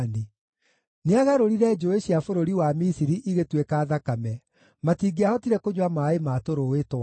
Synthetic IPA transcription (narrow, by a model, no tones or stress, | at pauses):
ni | neaɣaɾoɾiɾɛd͡ʒoeɕjafoɾoɾiwamisiɾiʔiɣetwekaːðakamɛ | matiːɡeahɔtiɾɛkoɲwamaːemaːtoɾowetwa